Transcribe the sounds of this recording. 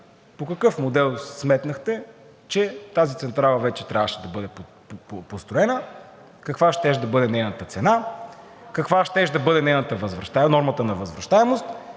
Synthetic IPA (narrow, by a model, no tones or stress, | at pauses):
pokɐkɤfmod̪ɛlˠsmɛt̪nəxt̪ɛ | t͡ʃɛt̪azit̪sɛnt̪ɾalˠɐvɛt͡ʃɛ̥t̪ɾʲavəʃɛd̪ɐbɤd̪ɛp | post̪ɾoɛnə | kɐkvaʃt̪ɛʃd̪ɐbɤd̪ɛnɛjnət̪ət̪sɛna | kɐkvaʃt̪ɛʃd̪ɐbɤd̪ɛnɛjnət̪əvɐzvɾɐʃt̪anɔɾmət̪ənɐvɐzvɾɐʃt̪aɛmost̪